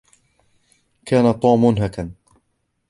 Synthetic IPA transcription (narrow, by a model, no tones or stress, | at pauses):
kʰaːnat̪ˤuːmːʊnɦakan